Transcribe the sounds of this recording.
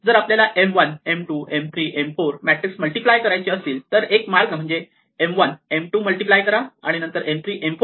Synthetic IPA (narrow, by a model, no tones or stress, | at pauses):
d͡zəːɾapljalaʔemʋənemʈuːʔemt̪ʰɾiːʔemfoɾmæʈɾiksməlʈiplajkəɾajt͡ɕiːəsiːlt̪əɾekmaɭkam̤əɳd͡ze | emʋənemʈuːməlʈiplajkəɾaaɽ̃inə̃nt̪əɾʔemt̪ʰɾiːʔemfo